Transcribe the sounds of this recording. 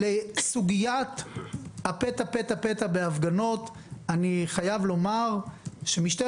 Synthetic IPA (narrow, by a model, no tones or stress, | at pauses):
lesuɡijat̪ | apet̪apetapet̪abeafɡano̞t̪ | aniχajavlo̞maʁʃe̞miʃte